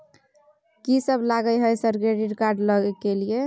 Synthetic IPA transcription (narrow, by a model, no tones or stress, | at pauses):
kisəbʱlaɡəjɦəjsəɾkɾeɖiʈkaɾɖləɡɛkelije